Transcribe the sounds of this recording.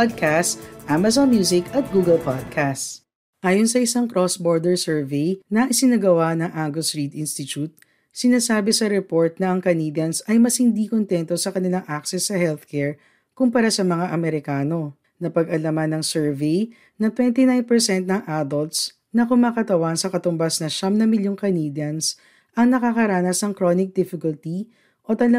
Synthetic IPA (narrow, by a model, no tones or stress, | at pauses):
pad̪̚kʰast̪ʔamɐsonmjuːsɪkɐt̪̚ɡuːɡɐlpad̪̚kʰast̪ | ʔaːjonsɐʔɪsaŋkɾosboɹd̪ɛɹsɛɹvejnɐʔɪsɪnɐɡɐwanɐŋʔaŋɡosɹid̪ʔɪnst̪ɪt͡ʃut̪̚ | sɪnaːsaːbɛsɐɾɛpo̞ɹt̪̚nɐʔɐŋkɐniːd̪ɐnsɐjmɐshɪnd̪ikont̪ɛnt̪osɐkɐnɪlaŋʔaksɛsːɐhɛlθkɛɹ | kʊmpɐɾasɐmɐŋaʔɐmɛɾɪkaːno̞ | nɐpɐɡɐlɐmɐnːɐŋsɛɹvej | nɐt̪wɛnt̪inajnpɛɹsɛnt̪̚nɐŋʔad̪olt̪s | nɐkʊmaːkɐt̪ɐwansɐkɐt̪ʊmbasnɐʃamnɐmɪljoŋkɐnid̪jɐns | ʔɐŋnɐkakɐɾaːnɐsnɐŋkɾonɪk̚d̪ɪfɪkʊlt̪i | ʔo̞t̪ɐlɐ